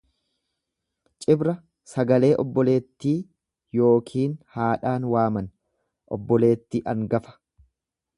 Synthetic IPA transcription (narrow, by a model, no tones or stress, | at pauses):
t͡ʃʼɪbɾɐ | sɐɡɐle̞ːʔɔbːɔle̞ːt̪ːiː | jo̞ːkʰiːnhaːᶑaːnwaːmɐn | ʔɔ̰bːɔle̞ːt̪ːiːʔɐŋɡɐfɐ̥